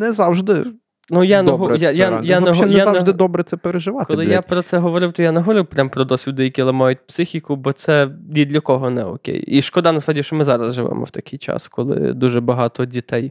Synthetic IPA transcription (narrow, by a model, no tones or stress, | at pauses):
nɛzɑwʒd̪ɪ | nujanɛɦɔjajajanɛɔnjɛaaʒd̪ɪd̪ɔbɾɛtsɛpeɾeʒɪʋɑtkɔlɪlˠɪjapɾɔt̪sɛɦɔʋɔɾɪwt̪ɔjanɛɦɔʋɔɾɪwpɾʲampɾɔd̪ɔsʲid̪ɛjɐkʲilˠɐmɑjʊt̚ʲpsɪxʲikʊbɔt̪sɛnʲid̪lʲɐkɔɦɔnɛɔ̰kʲḛjiʃkɔd̪ɐnɐspɾadʲiʃt͡ʃɔmɪzɑɾɐzʒɪʋɛ̰mɔ̰wt̪ɐkɪjt͡ʃɑ̰skʰɔlˠɪ̰d̪uʒɛbɐɦɑt̪ɔdʲit̪ɛj